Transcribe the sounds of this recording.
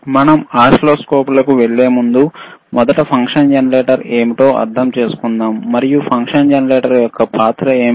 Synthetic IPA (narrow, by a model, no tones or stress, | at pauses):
mɐnɐmaːʂloːskoːpulɐkuʋeɭːe̞ːmund̪u | mɔd̪ɐʈɐpʰɐŋkʂɐnd͡ʒɐnɐɾeːʈɐɾe̞ːmiʈo̞ːʔɐ̰ɾd̪ʱɐmt͡ʃe̞ːsu̥kund̪aːmːɐɾijupʰɐŋkʂɐnd͡ʒɐnɐɾeːʈɐɾjɔkːɐpaːt̪ɾɐeːm